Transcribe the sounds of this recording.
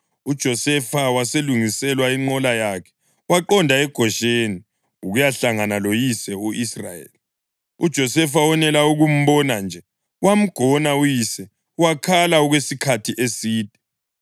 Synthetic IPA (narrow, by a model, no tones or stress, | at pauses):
ud̥ʒ̥ʱɔsɛfawaseluŋisɛlwaiŋ͡ǀɔlajakʰɛ̥ | waǃɔndʱaɛɡ̥ʱɔʃeni | uɣujaɬaŋanalojisɛuʔisra̰jḛːli | ud̥ʒ̥ʱɔsɛfawɔnɛlauɣum̩βɔnand͡ʒʱɛ | wam̩ɡ̥ʱɔnaujisɛ | uwakʰalauɣwesikʰatʰiʔesiːd̥ʱɛ̥